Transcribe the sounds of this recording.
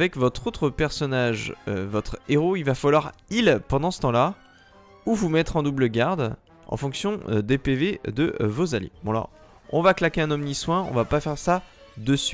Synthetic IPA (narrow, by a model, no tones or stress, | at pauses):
avɛkvɔt̪χot̪χəpɛʁsɔnaʒøvɔt̪χeʁoilvafalwaʁilpɑ̃d̪ɑ̃sə̥t̪ɑ̃la | uvumɛt̪χɑ̃d̪ubləɡʲaʁd̪ | ɑ̰̃fɔ̃ksjɔ̃d̪epeved̪əvozalḛbɔ̃alɔ̰ʁ | ɔ̰̃vaklakʲeɛ̃nɔmniswɛ̃ɔ̰̃vapafɛʁsa | d̪əsɥi